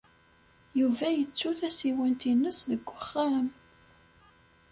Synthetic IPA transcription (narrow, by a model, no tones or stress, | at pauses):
juvæjət͡sːuθæsiwənt̪inːəsðəɡʷːəχːam